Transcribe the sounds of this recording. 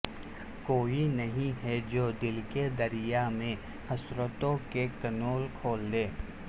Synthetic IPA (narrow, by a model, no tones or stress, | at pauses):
koːinɐɦĩɦɛd͡ʒoːd̪ɪlked̪ɐɾɪjamẽ | hɐsɾət̪õkekɐnoːlkʰoːld̪eː